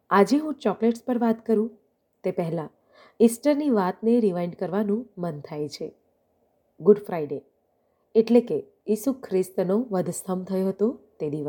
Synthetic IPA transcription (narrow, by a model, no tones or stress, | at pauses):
ad͡ʒeɦũt͡ʃɔkleʈspəɾʋat̪kəɾũ | t̪epɛɦɛlã | isʈəɾniʋat̪neɾiʋajɳɖkəɾʋanũmənt̪ʰajt͡ʃʰe | ɡʊɖfɾajɖe | eʈleke | jisukʰɾɪst̪noʋəd̪ʱst̪ʰəmt̪ʰəjoɦət̪ot̪ed̪iʋəs